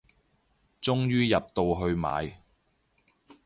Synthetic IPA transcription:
t͡sʊ˥ŋjyː˥jɐ˨p̚t̪o˨wɦɵ˧ɥma̰ː˨˧j

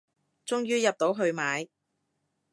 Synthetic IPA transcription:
t͡sʊ˥ŋjyː˥jɐ˨p̚t̪o˨˥wɦɵ˧ɥmaː˨˧j

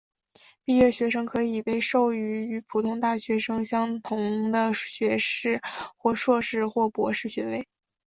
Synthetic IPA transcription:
pi˥˧ɥɛ˥˩ɕɥɛ˧˥ʂɤ˥ŋkʰɤ˧˥i˨˩pe˥˧ɪʂo˥˩ʊy˧˥y˧˥pʰu˨˩t̪ʰʊ˥ŋt̪a˥˩ɕɥɛ˧˥ʂɤ˥ŋɕjɑ˥ŋt̪ʰʊ˧˥ŋd̪ə˧ɕɥɛ˧˥ʂɻ̩˥˩xwɔ˥˧ʂwɔ˥˧ʂɻ̩˥˩˧xwɔ˥˩pwɔ̰˧˥ʂɻ̩˥˩ɕɥɛ˧˥we˥˩ɪ

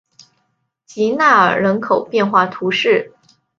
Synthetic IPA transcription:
t͡ɕi˧˥na˥˩ə̰˞˨˩ɻə˧˥nkʰo˨˩ʊpjɛ˥˧nxwa˥˩t̪ʰu˧˥ʂɻ̩˥˩

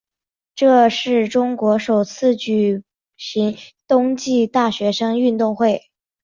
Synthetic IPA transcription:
ʈ͡ʂɤ˥˧ʂɻ̩˥˩ʈ͡ʂʊ˥ŋkwɔ˧˥ʂo˨˩ʊt͡sʰɹ̩˥˧t͡ɕy˨˩ | ɕi˧˥ŋt̪ʊ˥ŋt͡ɕi˥˧t̪a˥˩ɕɥɛ˧˥ʂɤ˥ŋy˥˧nt̪ʊ˥˧ŋxwe˥˩ɪ

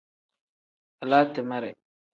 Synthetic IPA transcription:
a˨laː˦tɪ˨ma˦ɾɛ˨

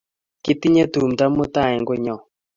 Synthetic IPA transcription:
ki˦ti˦ɲa˦t̪u˨mta˦mo˦ta˦˨ɛ˨ŋɡo˦ɲɔ˨

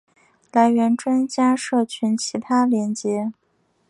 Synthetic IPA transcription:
la˧˥ɪɥɛ˧˥nʈ͡ʂwa˥nt͡ɕja˥ʂɤ˥˩t͡ɕʰy˧˥nt͡ɕʰi˧˥t̪ʰa˥ljɛ˧˥nt͡ɕjɛ˧˥

